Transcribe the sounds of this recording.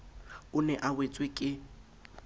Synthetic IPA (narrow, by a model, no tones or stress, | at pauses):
ʊnɛʔawet͡sʼwekʼɪ